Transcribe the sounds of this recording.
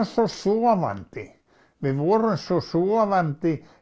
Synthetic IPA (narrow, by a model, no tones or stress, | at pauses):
sːossuɔʋɑ̰nt̪i | ʋiʋuorensːosuɔʋɑnt̪i